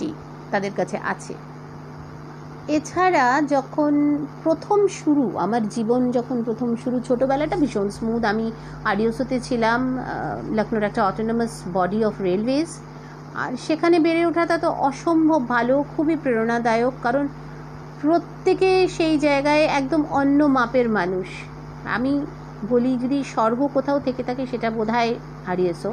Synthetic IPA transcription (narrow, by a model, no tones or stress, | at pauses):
ḭ | t̪ad̪eɾkat͡ɕʰḛʔa̰t͡ɕʰḛ | et͡ɕʰaɾad͡ʑɔkʰonpɾot̪ʰomʃuɾuʔa̰maɾd͡ʑibond͡ʑɔkʰonpɾot̪ʰomʃuɾut͡ɕʰoʈobɛlaɛʈabʱiʃonsmud̪ami | aɖiosot̪et͡ɕʰilamləkʰnoɾɛk̚ʈaɔʈonomasbɔɖiɔfɾelwez | a̰ɾʃekʰanebeɾeoʈʰat̪at̪oʔɔʃombʱobbʱalokʰubipɾeɾonad̪aeokːaɾon | pɾot̪ːekeʃejd͡ʑaeɡaeɛk̚d̪omɔnːomapeɾmanuʃ | a̰mi | bolid͡ʑod̪iʃɔɾɡokot̪ʰaot̪ʰeket̪ʰakeʃeʈabod̪ʱae | ɦaɽiet͡ɕʰo